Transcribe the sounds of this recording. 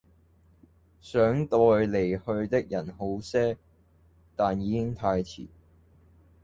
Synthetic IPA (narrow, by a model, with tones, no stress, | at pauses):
sœː˨˥ŋt̪ɔː˨jle˨˩jhɵ˧ɥt̪ɪ˥k̚jɐ˨˩nho˨˥wsɛː˥ | t̪aː˨njiː˨˧kɪ˥ŋt̪ʰaː˧jt͡sʰḭː˨˩